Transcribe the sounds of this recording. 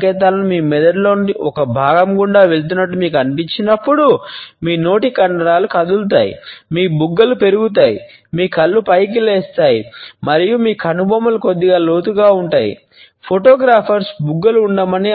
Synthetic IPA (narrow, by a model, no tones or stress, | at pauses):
kɛːt̪̬aːlɐnimiːmɛd̪ɐɖlo̞ːniɔkɐbʱaːɡɐmɡuɳɖaːʋe̞ɭt̪̬unːɐʈ̬ːumiːk̬uɐnipiɲt͡ʃinɐpːuɽumiːno̞ːʈikɐɳɖɐɾaːlukɐd̪ult̪aːjḭmiːbuɡːɐlupe̞ɾuɡut̪̬aːji | miːkɐlːupɐjk̬ileːst̪aːjimɐɾijumiːkʰɐnubʱɐmɐluko̞d̪ːiɡaːlo̞ːt̪uɡaːuɳʈaːjḭ | pʰoʈoːɡɾaːpʰɐɾsbuɡːɐluːɳɖɐmɐni